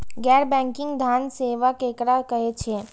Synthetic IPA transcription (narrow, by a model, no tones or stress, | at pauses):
ɡɛɾbɛ̃ŋkɪ̃ŋɡd̪ʱanseʋakekɾakəɦet͡ʃʰe